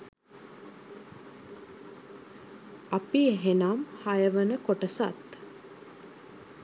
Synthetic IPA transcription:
apieɦenamhajəʋənəkoʈəsa̰t̪

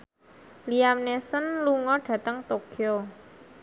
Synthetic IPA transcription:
liamnesənluŋɔɖ̥ä̤t̪əŋt̪okʰio

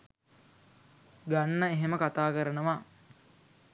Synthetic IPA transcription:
ɡanːəeɦeməkat̪aːkəɾənəʋa

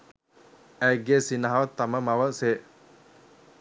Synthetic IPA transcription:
æɡeːsinɐɦɐʋɐt̪ːɐmɐmɐʋɐse

